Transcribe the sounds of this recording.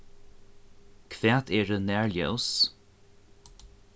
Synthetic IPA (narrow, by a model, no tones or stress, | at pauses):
kʰvaːt̪ʰɛːɹənɛɹljows